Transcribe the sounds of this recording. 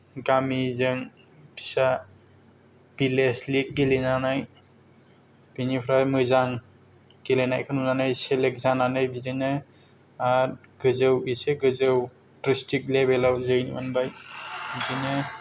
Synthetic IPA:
ɡamizɯŋ | bʰi̥sa | b̥ileslik̚ɡelenanaj | b̥inipʰɾajmɯzaŋ | ɡelenajkʰɯnumnanajselek̚zananɯjbidinɯ | aɾ | ɡ̥ɯzɯwiseɡɯzɯw | tɾistik̚lebelawzɯjnḭma̰nbajbidinɯ

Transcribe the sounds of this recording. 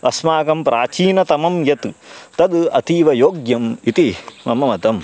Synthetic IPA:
ʋʔɐsmaːkɐmpɾʔaːt͡ʃiːnɐt̪ɐmɐmjɐt̪t̪ɐd̪ɐ̰t̪iːʋɐjoːɡjɐmit̪imɐ̰mɐmɐt̪ɐm

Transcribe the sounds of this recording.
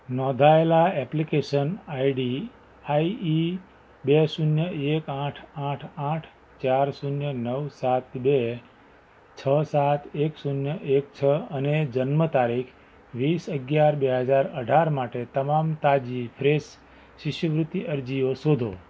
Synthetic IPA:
nɔ̃d̪ʱaelaɛplikeʃənaiɖi | aii | besunjəʔekãʈʰãʈʰãʈʰ | t͡ʃaɾsunjənəʋsat̪be | t͡ʃʰəsat̪eksunjəʔek̚t͡ʃʰəəned͡ʒənmət̪aɾikʰ | ʋisəɡjaɾbeɦəd͡ʒaɾəɖʱaɾmaʈet̪əmamt̪ad͡ʒipʰɾes | ʃɪʃjəʋɾut̪ːiəɾd͡ʒiosod̪ʱo

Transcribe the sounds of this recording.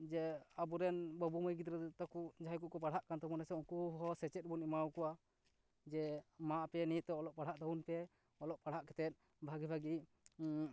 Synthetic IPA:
d͡ʒɛabuɾɛnbəbuməjɡid̪ɾɛd̪t̪akuʔd͡ʒaajkuʔ̚kɔpaɽɦaʔkant̪ɔmɔnɛsɛuŋkuɦɔsɛt͡ʃɛt̪̚bunimawkɔʔa | d͡ʒɛmaʔpɛnit̪ːɛɔlɔʔpaɽ̤aʔt̪aunpɛ | ɔlɔʔpaɽ̤aʔkɛ̥t̪ɛt̪̚ | bʱaɡibʱaɡi

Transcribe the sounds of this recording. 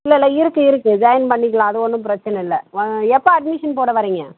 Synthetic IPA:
ɪlːɐɪlːɐɪɾɯkːɯɪɾɯkːɯd͡ʒɐjɐnpɐɳːɪkːɐɭãːɐðɯɔnːɯmpɪɾɐt͡ʃːɐnɐɪlːɛɛpːɐɐɖ̚mɪʂɐnpoːɽɐʋɐɾiːŋɡɐ

